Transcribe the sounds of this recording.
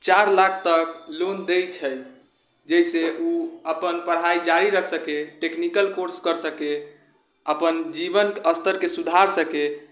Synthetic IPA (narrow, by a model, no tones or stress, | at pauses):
t͡ʃaɾlakʰt̪əklond̪ejt͡ʃʰəj | d͡ʒɛjseuəpənpəɽ̤ɦaid͡ʒaɾiɾəkʰsəkeʈeknikəlkoɾskəɾsəke | əpənd͡ʒibənəst̪ʰəɾkesud̪ʱaɾsəke